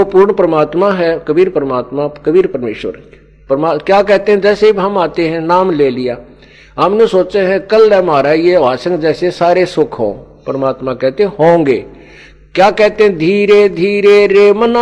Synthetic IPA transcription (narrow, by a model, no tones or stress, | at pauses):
puːɾɳpɾəmaːt̪maːɦɛːkəbiːɾpəɾəmaːt̪maːkəbiːɾpəɾmeːʃʋə̰ɾ | pɾmaːkjaːkɛːt̪eɦɛ̃ːd͡ʒɛːsebɦəmaːt̪eɦɛ̃ːnaːmleːlɪjaː | ɦəmnẽsoːt͡ʃeɦɛ̃kəlːɛːmaːɾaːijeʋaːsə̃ŋɡd͡ʒɛːsesaːɾesʊkʰõ̰ː | pəɾəmaːt̪mãːkɛːt̪eɛ̃ɦõːŋɡeː | kjaːkɛɦt̪eɦɛ̃ːd̪ʱiːɾeːd̪ʱiːɾeːɾeːməna